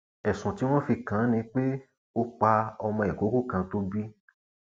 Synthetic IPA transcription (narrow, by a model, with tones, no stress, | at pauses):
ɛ˨sũ˨ti˦w̃ɔ̃˦fi˧kã˨˦nĩ˧k͡pe˦ | o˧k͡pa˧ɔ˧mɔ̃˧ɛ˨ko˨˦ku˦˨kã˧to˦bi˦